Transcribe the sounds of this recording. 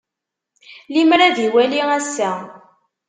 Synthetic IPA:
limɾæðiwæliæsːæ

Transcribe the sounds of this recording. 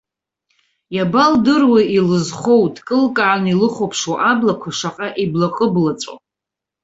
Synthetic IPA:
jabaldɨrwailɨzχo̞wtʼkʼɨlkʼaʕanilɨχʷopʰʂwaʔablakʷʰaʂaqʼaʔiblaqʼəblat͡sʼo̰

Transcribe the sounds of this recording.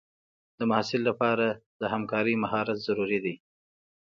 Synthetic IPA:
d̪̥əmahsɪlːapɑɾad̪̥əhamkɑɾəjmahɑɾat̪z̥aɾuɾid̪i

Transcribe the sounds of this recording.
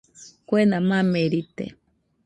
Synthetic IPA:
kʷenamameɾit̪ḛ

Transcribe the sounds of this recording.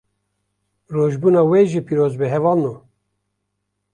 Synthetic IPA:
roʒbuːnɑːweʒipiɾoːzbɨɦɛvɑːlnu

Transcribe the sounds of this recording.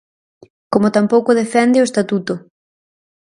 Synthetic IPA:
komot̪ampowkʊð̞efɛnd̪ɪoest̪at̪ut̪ʊ

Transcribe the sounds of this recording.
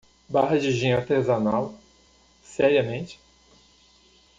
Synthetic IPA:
baɦɐd͡ʒɪʒĩɲaɾt̪ezanaw | sɛɾiɐmẽt͡ʃɪ̥

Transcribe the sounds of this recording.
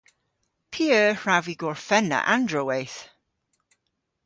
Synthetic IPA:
pʰiɜːɹaviɡɔɹfɛnːə̰ʔãndɹowejθ

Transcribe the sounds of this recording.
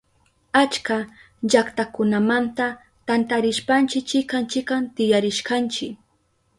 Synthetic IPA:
at͡ʃka | ʎakt̪akʊnamant̪a | t̪ant̪aɾɪʃpant͡ʃɪkt͡ʃɪkant͡ʃɪkant̪ɪjaɾɪʃkant͡ʃɪk

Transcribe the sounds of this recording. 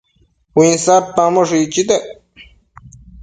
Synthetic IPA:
wĩnsaɾt̪ãmoʂit͡ʃit̪eʔ

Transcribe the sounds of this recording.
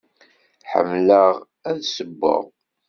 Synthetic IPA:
ħə̰mləʁ | æðsəbːə̰ʁ

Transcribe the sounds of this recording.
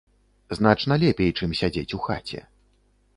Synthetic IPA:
zn̪at͡ʂnɐlʲɛpʲɛjt͡ʂɨmsʲad͡zʲet͡sʲuxat͡sʲɛ̰

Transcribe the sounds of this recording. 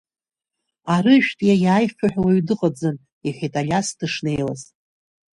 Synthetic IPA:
aɾɨʃᶣtʼjajaːjχʲaħᶣwaɥdɨqʼad͡zɨn | iχʲitʼalʲasdɨʂne̞jla̰z

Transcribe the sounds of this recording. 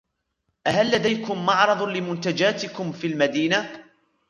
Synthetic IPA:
ʔahalːad̪ajkʊmːɑʕɾˤɑðˤlɪmʊnt̪ad͡ʒaːt̪ɪkʊmfilmad̪iːna

